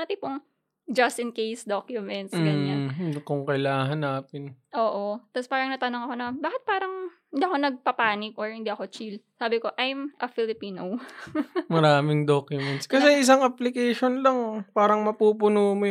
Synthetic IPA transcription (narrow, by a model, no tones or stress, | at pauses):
aːt̪ɪpoŋ | d͡ʒɐst̪ɪnkejsd̪okjʊmɛnt̪sɡɐɲankoŋkɐjlaːɦɐnːaːpɪnʔoːʔot̪aspaːɾɐŋnɐt̪ɐnoŋɐko̞nɐbaːkɪt̪̚paːɾɐŋ | ɪnd̪iːɐko̞nɐɡ̚pɐpaːnɪk̚ʔoɹhɪnd̪iʔɐko̞t͡ʃilsaːbɪko̞ʔajmʔɐfɪlɪpiːnow | mɐɾaːmɪŋd̪okjʊmɛnt̪skɐsɛʔɪs̬aŋʔɐplɪkejʃonlɐŋpaːɾɐŋmɐpuːpʊnomoj